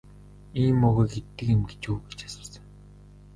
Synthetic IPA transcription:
iːmʊɣĕɡet̪ːɘ̆kĕmɡet͡ɕuːɡet͡ɕḁsə̆ɮsə̆ŋ

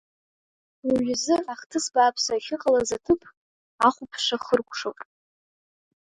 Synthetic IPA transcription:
iɥʏzɨaχtʰɨsbaːpʰsaχʲɪqʼalazatʰɨpʰ | aχʷʊpʰʂaχərkʷʰʼʂowtʼ

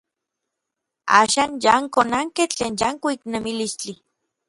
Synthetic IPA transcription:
a̰ːʃaːnjaŋkonaŋket͡ɬeːnjaŋkoiknemilist͡ɬi

